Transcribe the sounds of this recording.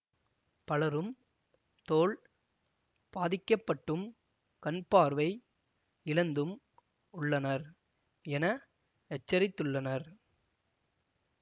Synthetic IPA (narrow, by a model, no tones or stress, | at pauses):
pɐlɐɾɯm | t̪oːɭ | paːðɪkːɐpːɐʈːɯm | kɐnpaːɾʋɐɪ | ɪlɐnd̪ɯm | ʊɭːɐnɐɾ | ɛnɐ | ɛt͡ʃːɐɾɪt̪ːɯɭːɐnɐɾ